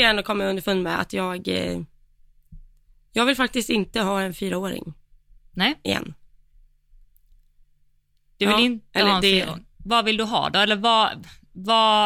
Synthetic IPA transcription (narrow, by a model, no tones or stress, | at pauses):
jɛɳɔkʰɔmːaɪɵnd̪əfɵnːmɛ̰a̰t̪jɑːɡ | jɑːɡvɪlfak̚t̪ɪst̪ɪnt̪əɦɑːɛnfyːɾaoːɾɪ̰ŋnɛɪ̰jɛ̰nː | d̪̥ɛvɪlɪnt̪ɛh̪əːɾ̰vɑvɪld̪ɵɦɑ̰ːd̪ɔɛlːəva | vɑ